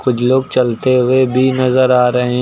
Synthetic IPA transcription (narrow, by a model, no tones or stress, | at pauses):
kʊd͡ʒʰloːɡ̚t͡ʃɐlt̪eɦʊebʱinɐzəɾaːɾɐɦẽ